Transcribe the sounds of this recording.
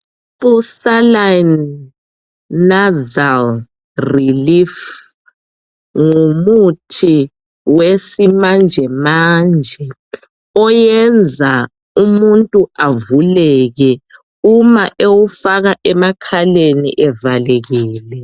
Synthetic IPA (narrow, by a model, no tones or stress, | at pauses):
usalan | azal | rilif | ŋumutʰi | wesimand͡ʒʱɛmand͡ʒʱɛ | ɔjɛnd͡zʱa | umuntʼuʔavulɛɣɛ | umaʔewufaɣaʔɛmakʰalenḭʔɛvalɛɣɛːlɛ